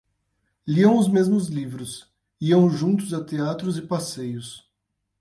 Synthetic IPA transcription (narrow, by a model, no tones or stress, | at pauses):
liɐ̃w̃ʊzmezmʊzlivɾʊs | iɐ̃w̃ʒũnt̪ʊzat̪eat̪ɾʊzɪpasejʊs